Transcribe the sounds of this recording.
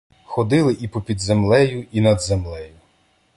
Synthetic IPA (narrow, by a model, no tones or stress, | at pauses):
xɔd̪ɪlˠɪʔipɔpʲid̪zemlˠɛjʊinɐd̪zemlˠɛjʊ